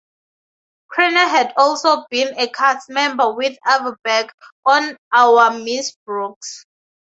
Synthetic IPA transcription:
kʰɹɛnaɦɛdɔlsobĩnekʰatmɛ̃mbəwiθavəbɛɡɔ̃nawəmisbɹuks

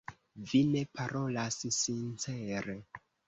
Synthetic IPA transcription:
vine̞paɾo̞lassint͡seɾe

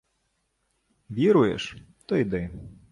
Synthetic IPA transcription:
ʋʲiɾʊjɛ̰ʂ | t̪ɔjd̪ɛ

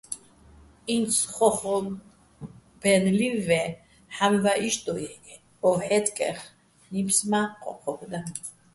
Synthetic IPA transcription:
insʰχɔχɔ | b̥ɛnlivɛ | ħamvaʔiʃt̪ʼɔ | ɔħɛt̪kʼɛ̰χ | nipʰsmaqʼɔ̰qʰɔbʰd̪a

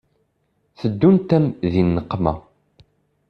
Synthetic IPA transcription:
θəd̪ːunt̪æmðinːəqːmæ̰

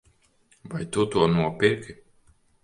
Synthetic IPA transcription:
vajt̪ut̪uɔnuɔpiɾkʲi

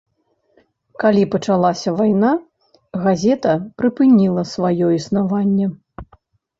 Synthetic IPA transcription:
kalʲipɐt͡ʂalˠasʲɐvajna | ɣazʲɛt̪ɐpɾɨpɨnʲilˠɐsvajɔisnavanʲːɛ

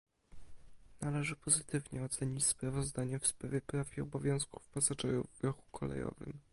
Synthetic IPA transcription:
nalɛʐɘpɔzɘt̪ɘvɲɛɔt̪sɛɲit͡ɕspɾavɔzd̪aɲɛfspɾavʲjɛpɾafʲiɔbɔvʲjɔ̃w̃sku̥fpasat͡ʂɛjuvɡɾɔxu̥kʰɔlɛ̰jɔ̰vɘ̰m

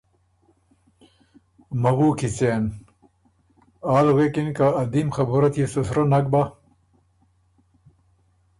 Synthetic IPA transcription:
mɐɣuːkʰit͡seːn | aːlɣekinkaɐd̪imxɐbuɾɐt̪jesusɾɐnɐk̚ba

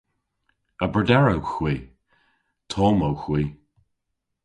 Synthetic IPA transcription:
əbɹədɛɹəwxwiː | t̪ʰɔːməwxwiː

